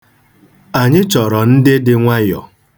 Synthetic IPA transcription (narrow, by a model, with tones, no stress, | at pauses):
a˨ɲɪ˦t͡ʃɔ˨ɾɔ˨n̩˦dɪ˦dɪ˦ŋʷa˦jɔ̰˨